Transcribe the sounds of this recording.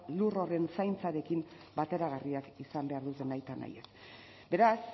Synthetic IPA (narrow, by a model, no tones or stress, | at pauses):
luro̞re̞nsajnt͡saɾe̞kimbat̪e̞ɾaɣariakisambe̞aɾðut̪e̞najt̪ana̰jes | be̞ɾas